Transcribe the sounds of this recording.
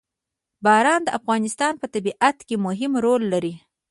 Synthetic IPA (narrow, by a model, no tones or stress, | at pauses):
bɑɾɑnd̪əʔafɣɑnɪst̪ɑnpət̪abiʔat̪kemʊɦɪmɾolːaɾi